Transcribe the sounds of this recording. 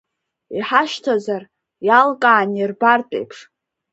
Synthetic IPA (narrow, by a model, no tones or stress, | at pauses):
iħaʃtʰazar | jalkʼaːnɪrbartʼḛjpʰʂ